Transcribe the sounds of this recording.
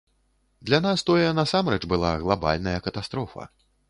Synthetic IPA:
d̪lʲanast̪ɔjɛnasamɾɛt͡ʂbɨlˠaɣlˠaba̰lʲnɐjɐkɐt̪ast̪ɾɔfɐ̰

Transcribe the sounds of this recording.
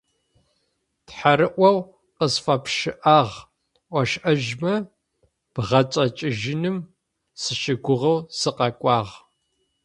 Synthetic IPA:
tħaɾɨʔʷɔw | qəzfɐpʰʃɪʔaːʁ | ʔʷɔʃʔɐʒmɐ | b̥ʁɐt͡ʃʼɐt͡ʃʼɪʒɪnɨm | sɨʃɪɡʷʊʁɐwsɨqɐkʷʼɑːʁ

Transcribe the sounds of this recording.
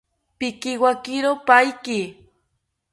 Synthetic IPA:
pɪkɪwakɪɾopajkɪ

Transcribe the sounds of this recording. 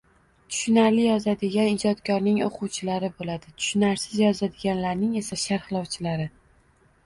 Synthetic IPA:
t̪ʰʊ̥ʃʊnaɾlɪjɒzad̪ɪɡʲanɪd͡ʒɒt̪kʲʰɒɾnɪŋo̰qʰuwt͡ʃʰɪlaɾɪbolad̪ɪt̪ʰʊ̥ʃʊnaɾsɪzjɒzad̪ɪɡʲanlaɾnɪŋe̞saʃaɾχlˠɒwt͡ʃʰɪlaɾɪ

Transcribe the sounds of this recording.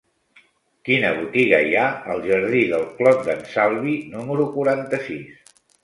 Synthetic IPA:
kinəβut̪iɣə̰iaəlˠʒəɾð̞iðəlˠklɔp̚d̪ənsalˠβinuməɾukuɾant̪əsis

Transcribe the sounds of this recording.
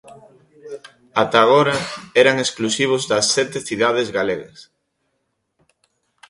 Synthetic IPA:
at̪ɐːɣ̞oɾɐɛɾɐŋesklusiβ̞ʊzðɐsːɛt̪eθiðaðezɣaleɣɐ̰s

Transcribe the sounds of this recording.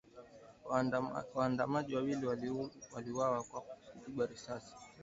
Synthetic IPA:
waːndamaʄiwawiliwawaliwawakwakukiɓaɾisasi̥

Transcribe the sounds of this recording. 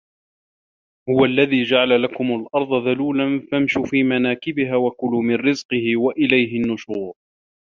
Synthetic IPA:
hʊwalːaðiːd͡ʒaʕalalakʊmalʔɑɾˤd̪ˤɑðaluːlanfamʃuːfiːmanaːkɪbɪɦaːwakʊlumɪnɾɪzqɨhɪwaʔɪlajɦɪnːʊʃuːɾˤ

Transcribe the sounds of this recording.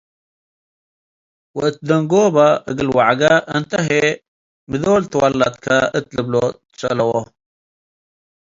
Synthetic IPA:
wət̪̚d̪əŋɡobaəɡəlwaʕɡaʔənt̪əɦe | mid̪oːlt̪walːat̪kʰaət̪ləblo | t͡sɐ̰lɐwo

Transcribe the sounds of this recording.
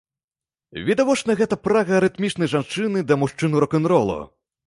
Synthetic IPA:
vʲid̪avɔt͡ʂnɐɣɛt̪ɐpɾaɣɐɾɨt̪mʲit͡ʂnɐjʐant͡ʂɨnɨd̪ɐmuʂt͡ʂɨnuɾɔkɨnɾɔlˠṵ

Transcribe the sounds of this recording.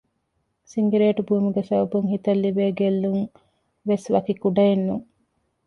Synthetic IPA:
siŋɡiɾeːʈubuːmuɡesɐbɐbuŋɦit̪ɐlːibeːɡelːuŋ | ʋesʋɐkikuɖɐjenːuŋ

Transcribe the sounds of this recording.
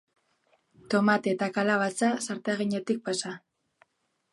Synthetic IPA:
t̪o̞mat̪et̪akalaβat͡sasaɾt̪eaɣiɲet̪ik̚pasa

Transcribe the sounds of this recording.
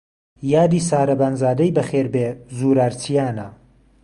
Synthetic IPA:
jaːd̪iːsaːɾɐbanzaːd̪ɐjbɐχeɾbezuːɾaːɾt͡sʰijaːnɐ

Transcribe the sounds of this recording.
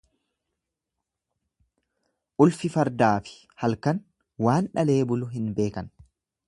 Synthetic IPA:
ʔʊlfɪfɐɾd̪aːfɪ̥ | hɐlkɐn | waːnᶑɐle̞ːbʊlʊɦɪnbe̞ːkɐn

